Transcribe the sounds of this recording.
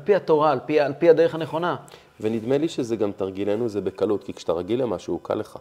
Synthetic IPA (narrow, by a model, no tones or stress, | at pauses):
lpiat̪o̞ʁaːlpialpihad̪e̞ʁeaneχo̞na | venid̪me̞liʃezeɡamt̪aʁɡilenuzebekalut̪kikʃe̥t̪aʁaɡilemaʃuukʰa̰leχa̰